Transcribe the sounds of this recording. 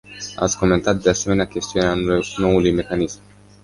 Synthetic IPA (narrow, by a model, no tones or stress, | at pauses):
a̰t̪skoment̪at̪̚d̪easemeneakʲest̪ijuneanowulujmekanizm